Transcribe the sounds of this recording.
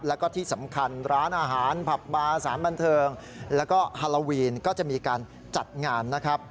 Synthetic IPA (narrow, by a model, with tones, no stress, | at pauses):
p̚lɛː˦˥wkɔː˥˩t̪ʰiː˥˩sa˩˦mkʰa˧nɾaː˦˥nʔaː˧ɦaː˩˦npʰa˨˩p̚maː˧saː˩˦nba˧nt̪ʰɤː˧ŋ | lɛː˦˥wkɔː˥˩haː˧lo˧wiː˧nkɔː˥˩t͡ɕa˨˩ʔmiː˧kaː˧n | t͡ɕa˨˩t̪̚ŋaː˧mna˦˥kʰɾa˦˥p̚